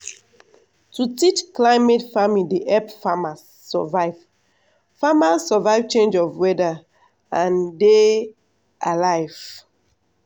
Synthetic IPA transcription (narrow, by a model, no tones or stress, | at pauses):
tutit͡ʃklaɪmetfamideʔɛpfamasːɔ̰vaɪv | famasːɔvaɪv̥t͡ʃẽnd͡ʒɔvwɛda | ãnde | ʔalaɪv̥